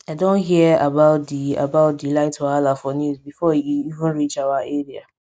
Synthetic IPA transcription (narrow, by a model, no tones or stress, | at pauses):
aɪdõnɦiabaʊtdia̰baʊt̚dilaɪtɔalafɔnuzbifɔiiivə̃nɹit͡ʃawaeɹia